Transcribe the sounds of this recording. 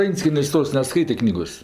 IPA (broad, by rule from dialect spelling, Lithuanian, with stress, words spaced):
ˈʋʲɛnʲt͡sʲkʲiɛnʲeːsʲ ˈtoːs nʲɛˈskɐɪtʲeː ˈknʲiːɡoːs